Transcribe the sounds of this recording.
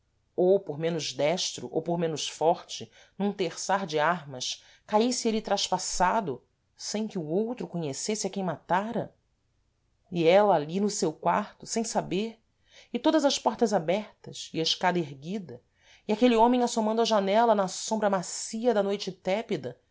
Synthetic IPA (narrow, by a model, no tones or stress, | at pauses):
owpoɾmẽnʊzd̪ɛʃt̪ɾʊ̰ʔo̰wpoɾmẽnʊʃfɔɾt͡ʃɪ | nũt̪eχsaɾd͡ʒɪaɾmɐʃ | kaisɪelɪt̪ɾaʃpasad̪ʊ | sẽj̃kɪuowt̪ɾʊkõɲesesɪɐkẽj̃mat̪aɾɐ̰ | iɛlɐːlinʊsewkwaɾt̪ʊsẽj̃sabeɾ | ɪt̪od̪ɐzɐʃpɔɾt̪ɐzabɛɾt̪ɐsiɐɪʃkad̪ɐeɾɡid̪ɐ | iakeliõmẽj̃asomɐ̃nd̪ʊɐʒanɛlɐnɐsõmbɾɐmasiɐd̪ɐnojt͡ʃɪt̪ɛpid̪ɐ